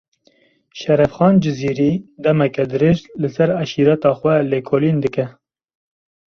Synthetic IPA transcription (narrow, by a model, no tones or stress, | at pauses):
ʃɛɾɛfxɑːnd͡ʒɪziːɾiːd̪ɛmɛkɛd̪ɨɾeːʒlɨsɛɾæʃiːɾɑt̪ɑːxwɛleːkʰoːliːnd̪ɨkɛ